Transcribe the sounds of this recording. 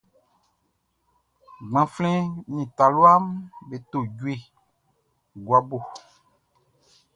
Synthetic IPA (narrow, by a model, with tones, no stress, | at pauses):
ɡ͡bã˨flɛ̃˦nĩ˨ta˨lu˦a˦mbe˨t̪o˨ɟu˦e˦ | ɡwa˦bo˨